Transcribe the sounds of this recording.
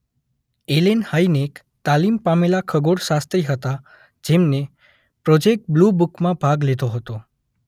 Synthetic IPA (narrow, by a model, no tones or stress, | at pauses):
elenhəinek | t̪alimpamelakʰəɡoɽsast̪ɾiɦət̪a | d͡ʒemne | pɾod͡ʒek̚ʈ̚blubukmãbʱaɡled̪oɦət̪o